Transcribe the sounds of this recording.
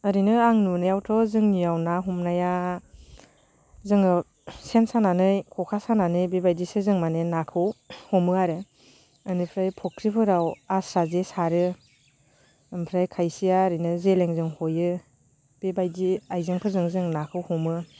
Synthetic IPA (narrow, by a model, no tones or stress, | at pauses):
ɯɾinɯaŋnunajawtʰɔzɯŋnijawnaɦumnaja | zɯŋɯ | sensananɯjkʰɔkʰasananɯjbebajdisɯzɯŋmanenakʰɯwhɔmɯaɾɯ | ɯnɯpʰɾajpʰɔkʰɾipʰɯɾawasɾazesaɾɯ | ɯmpʰɾajkʰajsijaɾinɯzeleŋzɯŋhojɯ | b̥ebajdiajzɯŋpʰɯzɯŋzɯŋnakʰɯwhɔmɯ